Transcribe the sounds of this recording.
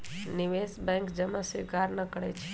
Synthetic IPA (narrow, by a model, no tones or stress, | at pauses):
niʋesbɛ̃ŋkd͡ʒəmãsikaɾnəkəɽḛt͡ʃʰe̥